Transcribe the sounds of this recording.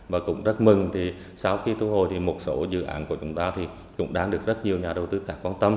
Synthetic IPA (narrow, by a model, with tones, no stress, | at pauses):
vaː˨˩kʊ̰˧˥ŋ͡mzə˦˥t̚mɨ˨˩ŋt̪ʰi˨˩ | sa˧wxi˧t̪u˧˦ɦo˨˩jt̪ʰi˨˩mo˨˩t̚so̰˧˦zɨ̰˧˨ʔa̰ː˧˥nku˧˩ət͡ɕʊ˨˦ŋ͡mt̪aː˧t̪ʰi˨˩ | kʊ̰˧˥ŋ͡mɗaː˧ŋɗɨ˨˩ək̚zə˦˥t̚ɲi˨˩əwɲaː˨˩ɗə˨˩wt̪ɨ˨˧˦xaː˧˦˥kwaː˧nt̪ə˧m